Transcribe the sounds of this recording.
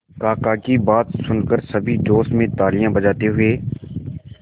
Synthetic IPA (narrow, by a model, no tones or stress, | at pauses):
kaːkaːkibaːt̪sʊnkəɾsəbʱiːd͡ʒoːsmẽːt̪aːɾijãːbəd͡ʒaːt̪eɦʊeː